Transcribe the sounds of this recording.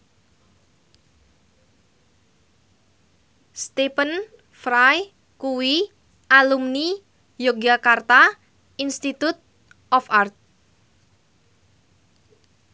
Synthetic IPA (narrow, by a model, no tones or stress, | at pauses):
st̪epən | fɾaj | kuwi | ʔalumni | joɡakart̪a | inst̪it̪ut̪̚ | ɔfart̪̚